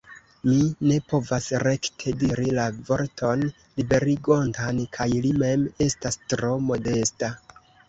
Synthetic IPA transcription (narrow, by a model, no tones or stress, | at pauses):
mine̞po̞vasɾe̞ktʰe̞diɾilavo̞ɾtʰo̞n | libe̞ɾiɡo̞ntankʰajlime̞me̞stastɾo̞mo̞de̞sta